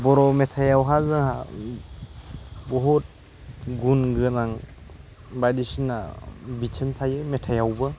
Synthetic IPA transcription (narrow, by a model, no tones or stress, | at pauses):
bɔɾɔmetʰajawɦazɯɦa | bɔɦut̚ | ɡunɡɯnaŋ | bajdisina̰bit͡ʃʰəntʰajɯmetʰajawbɯ